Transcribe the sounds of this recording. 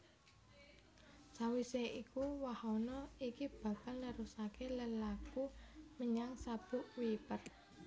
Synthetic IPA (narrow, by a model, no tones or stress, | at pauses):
sawiseʔikuwahɔnɔikib̥a̤kalnəɾusakeləlakuməɲaŋsab̥ṳʔwipər